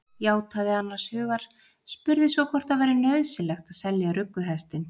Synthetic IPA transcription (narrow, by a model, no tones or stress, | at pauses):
jaːwt̪ʰaðɪanːḁshʏːɣaɾ̥ | spʏɾðɪsvɔkʰvɔr̥t̪aðvɛːɾɪnœɥðsɪlɛxt̪aðsɛljaɾʏkːʏɦɛst̪ɪn